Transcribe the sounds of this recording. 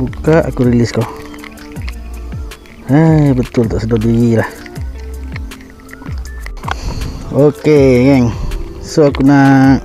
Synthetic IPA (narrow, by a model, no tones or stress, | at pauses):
ukaʔa̰kuɾilisko | həbət̪ʊlt̪aʔsədodujilah | okeɡɛŋsoakuna